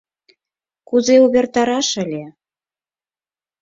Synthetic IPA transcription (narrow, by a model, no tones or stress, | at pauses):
kuzeuβert̪ɑɾɑʃə̆lʲe